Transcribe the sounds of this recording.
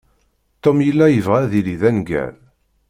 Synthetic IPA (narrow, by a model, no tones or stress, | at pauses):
t̪omjəlːæjəvʁæðiliðænɡæ̰l